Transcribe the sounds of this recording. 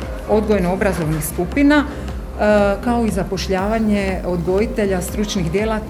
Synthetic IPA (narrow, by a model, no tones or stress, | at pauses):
o̞d̪ɡojenoo̞bɾazo̞ʋnixskupina | kao̞izapo̞ʃʎaːʋaɲe̞o̞d̪ɡo̞jit̪e̞ʎast̪ɾut͡ʃniɣd̪je̞la